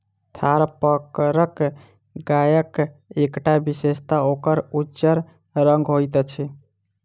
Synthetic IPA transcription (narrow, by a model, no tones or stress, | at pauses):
t̪ʰaɾpəkɾək | ɡajəkekʈabisest̪aokəɾud͡ʒəɾ | ɾəŋɡɦojt̪ət͡ʃʰɛ